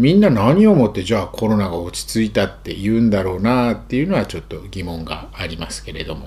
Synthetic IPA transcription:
mʲĩnːanaɲ̟io̞mo̞t̪ːe̞ʑaːkʰo̞ɾo̞naɡao̞t͡ɕi̥t͡sɨit̪at̪ːe̞̰jɯ̟ːnd̪aɾo̞ːnat̪ːe̞iɯ̟no̞βat͡ɕo̞t̪ːo̞ɡʲimõ̞ŋɡa̰ːɾʲimasɨ̥ke̞ɾe̞d̪o̞̰mo̞

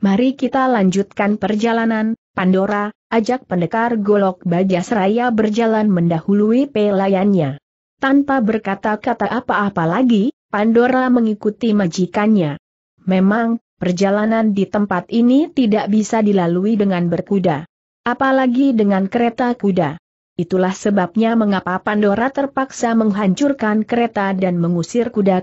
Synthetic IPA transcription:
maɾikit̪alaɲd͡ʒut̪̚kanpərd͡ʒalananpandoɾaʔad͡ʒak̚pəndəkarɡolɔk̚bad͡ʒasəɾajabərd͡ʒalanməndahuluipelajanɲa | t̪anpabərkat̪akat̪aʔapaːpalaɡi | pandoɾaməŋikut̪imad͡ʒikanɲa | memaŋ | pərd͡ʒalanandit̪əmpat̪init̪idaʔbisadilaluidəŋanbərkuda | ʔapalaɡidəŋankəɾet̪akuda | it̪ulahsəbap̚ɲaməŋapapandoɾat̪ərpaksaməŋɦaɲt͡ʃurkankəɾet̪adanməŋusɪrkuda

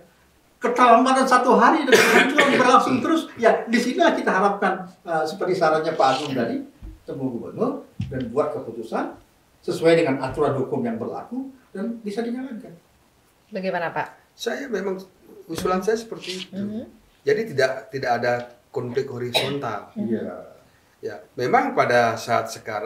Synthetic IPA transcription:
kət̪alamat̪ansat̪uɦaɾidəat̪uaŋbərlasʊŋt̪əɾʊsjadisinilahkit̪aɦaɾap̚kanəsəpərt̪isaɾanɲapat̪ʊŋdadit̪əmbuɡubə̰nʊdanbuat̪̚kəput̪usan | səsuajdəŋanat̪uɾadukʊŋjaŋbərla̰kudanbisadiɲaŋankan | baɡemanapa | sajamemaŋusulansajasə̥pərt̪iːt̪u | d͡ʒadit̪idaʔt̪idakːdakɔnflɪk̚hoɾisont̪a̰lija | ja̰memaŋpadasaːt̪̚səka̰ɾ

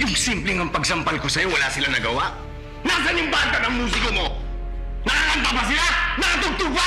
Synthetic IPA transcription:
jʊŋsimplɛŋɐŋpɐɡsɐmpɐlkosɐjo̞wɐlasɪlanɐɡɐwaʔ | naːs̬ɐnjʊŋbaːt̪ɐt̪ɐŋmuːs̬ɪkomo̞ | nɐkahɐnt̪ɐbɐs̬ɪlanɐkɐt̪ʊɡ̚t̪ʊka

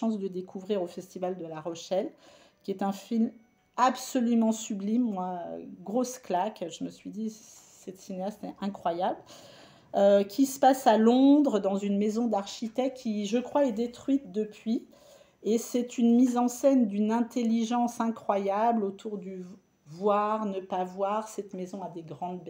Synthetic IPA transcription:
ɑ̃s̬d̪əd̪ekʰuvʁiʁofɛst̪ivald̪əlaʁɔʃɛl | kʲiɛt̪ɛ̃film | absɔlymɑ̃syblimmwaɡʁosklakʒəməsɥid̪i | sɛt̪sineast̪ɛɛ̃kχwajabl | økʲʰisə̥pasalɔ̃d̪ʁəd̪ɑ̃zynmezɔ̃d̪aʁʃit̪ɛkkʲːiʒəkχwaɛd̪et̪χɥit̪̚d̪əpɥi | esɛt̪ynmizɑ̃sɛnd̪ynɛ̃t̪eliʒɑ̃sɛ̃kχwajablot̪ʰuʁd̪y | vwaʁnəpavwaʁsɛt̪mezɔ̃ad̪eɡʁɑ̃d̪b

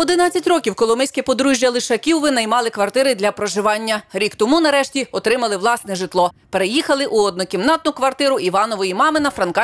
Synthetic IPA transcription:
ɔd̪ɪnɑt͡sʲːɐtʲrɔkʲiwkɔlˠɔmɪsʲkɛpɔd̪ɾuʒʲjɐlˠɪʃɐkʲiwʋɪnɐjmɑlˠɪkʋɐrt̪ɪɾɪd̪ʲlʲɐpɾɔʒɪʋɑnʲːɐɾʲikt̪ɔmunɐɾɛʃtʲiɔt̪ɾɪmɐlˠɪʋlˠɑsnɛʒɪt̪lˠɔpeɾejixɐlˠɪʔuɔd̪̚nʊkʲimnɑt̪nʊkʋɐrt̪ɪɾʊʔiʋɑnɔʋɔjimɑmɪnɐfɾɐnkɑ

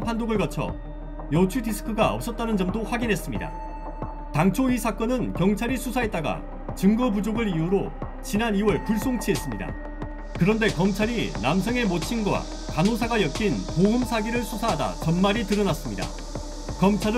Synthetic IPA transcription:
pʰandoɡɯɭɡʌt͡ɕʰʌ̰ | jʌt͡ɕʰudisʰɯ̥kʰɯɡaʌp̚s͈ʌt̚t͈anɯnd͡ʑʌmdoɸwaɡinɦes͈ɯmɲida̰ | taŋt͡ɕʰoɥisʰak͈ʌnɯnkjʌŋt͡ɕʰaɾisʰusʰaɦe̞t̚t͈aɡa̰ | t͡ɕɯŋɡʌbud͡ʑoɡɯɾijuɾo | t͡ɕinaniwʌɭpuɭs͈oŋt͡ɕʰiɦe̞s͈ɯmɲida̰ | kɯɾʌnde̞kʌmt͡ɕʰaɾinamsʰʌŋe̞mot͡ɕʰinɡwa̰ | kanosʰaɡajʌk͈inpoɦɯmsʰaɡiɾɯɭsʰusʰaɦada̰t͡ɕʌnmaɾitɯɾʌnas͈ɯmɲida̰ | kʌmt͡ɕʰaɾɯ

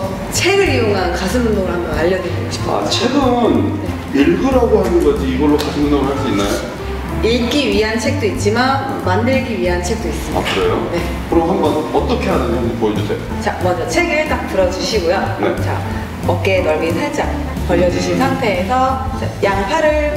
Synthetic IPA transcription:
t͡ɕʰeɡɯɾijoŋɦankasʰɯnundoɡɯɭɦamʌnaʎːʌdeɾiɡaɕʰi̥tʰa̰t͡ɕʰeɡɯne̞ | iɭɡɯɾɦaɡohanɯnɡʌd͡ʑiːɡʌɭːokasʰɯnundoɡɯɭɦaɭs͈uinːa̰jo̰ | iɭk͈iɥiɦant͡ɕʰek̚t͈oit̚t͡ɕ͈iman | mandɯɭɡiɥiɦant͡ɕʰe̞k̚t͈ois͈ɯmia̰dkaɯɾe̞jo̰ne̞ | kɯɾoɦambʌnʌt͈ʌkʰe̞ɦadaɲopojʌd͡ʑusʰe̞̰jo̰t͡ɕa̰mʌnd͡ʑʌt͡ɕʰe̞ɡɯɭt͈ak̚t͈ɯɾʌd͡ʑuɕʰiɡojone̞̰t͡ɕa̰ | ʌk͈e̞nʌɭɡinsʰaɭt͡ɕ͈aŋ | kʌʎːʌd͡ʑuɕʰinsʰaŋtʰe̞ːsʰʌt͡ɕajaŋpʰaɾɯɭ

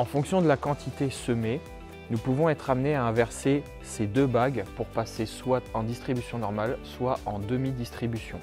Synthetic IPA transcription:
ɑ̃fɔ̃ksjɔ̃d̪əlakɑ̃t̪ʰit̪esəme | nupuvɔ̃ɛt̪χamneaɛ̃vɛʁse | sed̪øbaɡpuʁpaseswaɑ̃d̪ist̪χibysjɔ̃nɔʁmalswaʔɑ̃d̪əmid̪ist̪χibysjɔ̃

